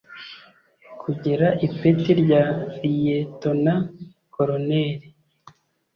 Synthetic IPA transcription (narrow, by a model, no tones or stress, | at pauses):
kʰuɟeɾaʔipetiɾɟaijetona | koɾoneɾi